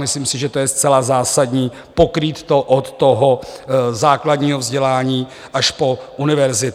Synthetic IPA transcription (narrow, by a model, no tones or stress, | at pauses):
mɪsliːmsɪʒɛt̪o̞jɛst͡sɛlazaːsadɲiː | po̞kɾiːt̪ːoʔot̪ːo̞ɦo̞zaːkladɲiːɦovzɟɛlaːɲiː | ʔaʃpo̞ʔunɪvɛɾzɪt̪